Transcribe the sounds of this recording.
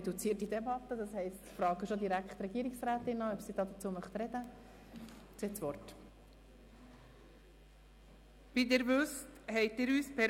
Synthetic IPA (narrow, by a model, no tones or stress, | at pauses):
ɛdut͡siːətidɛbɑt̪ːəd̪ɑshɛɪstfɾɑːɡəʃod̪iɾækχt̪rɛɡiːɾiksræːt̪ɪnɑːœpsid̥ɑːd̪ət͡suːəmœχt̪ɾɛd̥ə | t͡seːsʋɔrt | b̥id̪ɛɾvɵsthɛɪtɪɾyːspʰɛ